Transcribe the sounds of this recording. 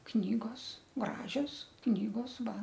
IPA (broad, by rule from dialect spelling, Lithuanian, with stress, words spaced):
ˈknʲiːɡoːs ˈɡrɑːʒʲoːs ˈknʲiːɡoːs ˈʋɐ